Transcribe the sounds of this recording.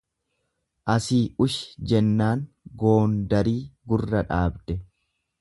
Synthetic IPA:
ʔɐsiːʔʊʃɪ̥d͡ʒɛnːaːŋ | ɡo̞ːnd̪ɐɾiːɡʊrːɐᶑaːbd̪ɛ

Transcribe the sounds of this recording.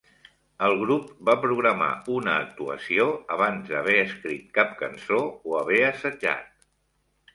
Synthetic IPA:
əlˠɣɾup̚bapɾuɣɾəma̰unəːk̚t̪uə̰sioəβanzðəβɛəskɾit̪̚kap̚kə̰nsooəβɛəsəd͡ʒa̰t̪̚

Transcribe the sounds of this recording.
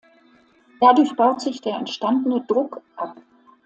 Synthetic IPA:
d̥adʊɐçb̥aʊtz̥ɪçd̥eːɐɛntʃtandənədʁʊkʔap̚

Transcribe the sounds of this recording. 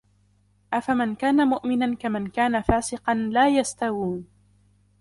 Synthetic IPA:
ʔafamankaːnamʊʔmɪnankamankaːnafaːsɪqɑnlaːjast̪awuːn

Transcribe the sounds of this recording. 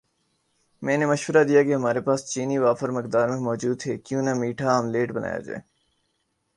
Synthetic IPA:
mɛ̃ːnemɐʃʋəɾad̪ijakeɦɐmaːɾepaːst͡ʃiːniʋaːfəɾmɪk̚d̪aːɾmẽmɔːd͡ʒuːd̪ɦɛːkjũːnamiːʈʰaːmleːʈbɐna̰ːja̰d͡ʒa̰ː

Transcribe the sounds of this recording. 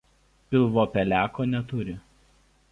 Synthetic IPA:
pʲɪlˠʋoːpʲɛlʲæːkoːnʲɛt̪ʊɾʲɪ

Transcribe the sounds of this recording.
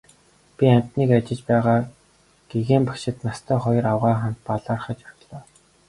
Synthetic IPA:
pʲiam̥ʲt̪niːkat͡ɕɪ̆t͡ɕpæːʁaː | ɡ̥eɣeːmpæ̥kʃɪ̆t̪nast̪ʰœːχɔjɞ̆rawʁaːχan̥t̪̚paɮaːrχə̆t͡ɕawt̪ɮɔː

